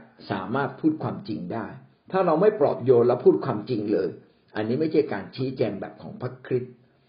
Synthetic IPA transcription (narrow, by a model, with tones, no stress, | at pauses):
sa̰ː˩˦maː˥˩t̪̚pʰuː˥˩t̪̚kʰwaː˧mt͡ɕi˧ŋdaː˥˩j | t̪ʰaː˥˩ɾa˧wma˥˩jpɾɔ̰˨˩p̚joː˧nlɛ˦˥wpʰuː˥˩t̪̚kʰwaː˧mt͡ɕi˧ŋlɤː˧j | ʔa˧nːiː˦˥ma˥˩jt͡ɕʰa˥˩jkaː˧nt͡ɕʰiː˦˥t͡ɕɛː˧ŋbɛ̰ː˨˩p̚kʰɔː˩˦ŋpʰɾa˦˥kʰɾi˦˥t̪̚